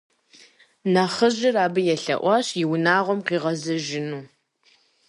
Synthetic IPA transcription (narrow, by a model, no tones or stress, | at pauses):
naχəʑɪraːbɨjɛɬɐ̰ʔʷɑːɕjɪwnaːʁʷɔmqiːʁɐzɐʒɪnuː